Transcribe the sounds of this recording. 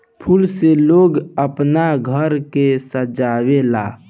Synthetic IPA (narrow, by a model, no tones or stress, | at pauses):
pʰʊlseloːɡəpnaɡʱəɾkesəd͡ʒaːwela̰ː